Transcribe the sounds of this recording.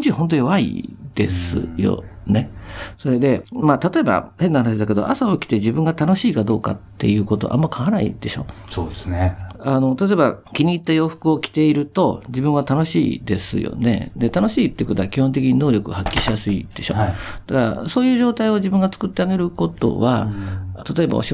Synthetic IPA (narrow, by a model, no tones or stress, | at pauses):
d͡ʑiɦõ̞nt̪̬ojo̞βaḭd̪e̞̰sɨ̰jo̰ne̞so̞ɾe̞d̪e̞mat̪at̪o̞e̞ba̰he̞nːahanaɕ̬id̪ake̞d̪o̞̰ʔa̰saokʲi̥t̪e̞d͡ʑibɯ̟̃ŋɡat̪ano̞ɕiːkad̪o̞ːka̰t̪ːe̞̰jɯ̟ːko̞t̪o̞̰ʔa̰mːakʰaanaḭd̪̥e̞ɕo̞sod̪esnano̞t̪at̪oe̞bakʲiɲ̟iːt̪ːajo̞ːɸɯ̟̥kɯ̟o̞kʲi̥t̪e̞iɾɯ̟t̪o̞d͡ʑibɯ̟̃ɰ̃βat̪ano̞ɕḭːd̪e̞sɨ̰jo̞̰ne̞̰d̪e̞t̪ano̞ɕiːt̪ːeiko̞t̪oakʲihont̪̬e̞kʲiɲ̟ino̞ːɾʲjo̞kɯ̟hakʲːi̥ɕijasɨḭd̪̥e̞ɕo̞̰d̪̥akaɾa̰so̞ːjɯ̟ːʑo̞ːt̪aio̞d͡ʑibɯ̃ŋɡat͡sɨ̥kɯ̟t̪ːe̞aɡe̞ɾɯ̟ko̞t̪o̞̰βat̪at̪o̞e̞ba̰o̰ɕi